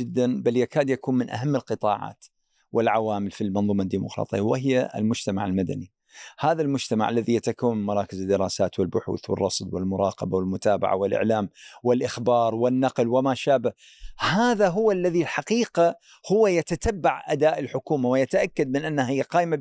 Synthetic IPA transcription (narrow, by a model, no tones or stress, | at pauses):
ɪd̪ːanbaljakaːd̪jakuːnmɪnʔa̰ɦamːɪlqɨt̪ˤɑːʕɑ̰ːt̪ | wɪlʕawaːmɪlfilmɑnðˤuːmad̪ːiːmʊ̰qɾˤɑ̰ːt̪ˤḭjːawɪɦɪjːaɪ̰lmʊd͡ʒt̪ama̰ʕɪlmad̪a̰ni | haːðalmʊd͡ʒt̪ama̰ʕʔa̰lːaðijat̪akawːammɑɾˤɑːkɪzd̪ːɪɾˤɑːsaːt̪wɪlbʊħṵːθwɪ̰rˤːɑsˤd̪wɪ̰lmʊɾˤɑ̰ːqɑbawɪlmʊt̪aːba̰ʕa̰wɪlʔɪ̰ʕlaːmwɪlʔɪxbɑːɾˤwɪnːɑqlwɪmaʃaːba | haːðaɦʊwːalːaðilħaqiːqa | hʊwːajat̪at̪abːaʕʔad̪aːʔɪlħʊkuːmawɪjat̪aʔakːad̪̚mɪnʔanːahhɪjːaqɑːʔɪma